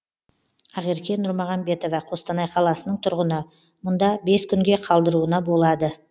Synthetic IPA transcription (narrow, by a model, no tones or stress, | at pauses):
ɑʁiɾkʲenʊɾmɑʁɑnbe̞t̪o̞vɑqʰost̪ɑnɑjqʰɑlˠɑsənəɴt̪ʰʊɾʁənə | mʊnd̪ɑbe̞skʲʰʏŋɡʲe̞qʰɑlˠd̪əɾuənɑbo̞lˠɑd̪ə